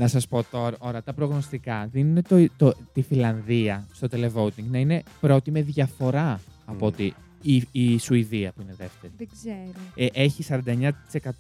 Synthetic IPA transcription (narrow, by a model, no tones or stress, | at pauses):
nɐsɐspo̞t̪o̞ɾɐʔo̞ɾɐt̪ɐpɾo̞ɣno̞st̪ikɐðinunet̪ot̪ot̪ifilɐnðiɐst̪o̞t̪ele̞vo̞ut̪iŋɡnɐine̞pɾo̞t̪ime̞ðʝɐfo̞ɾɐɐpo̞t̪i | iisuiðiɐpuine̞ðe̞ft̪eɾieɡzeɾoʔeçisɐɾɐnd̪ɐeɲɐt̪i̥sekɐt̪o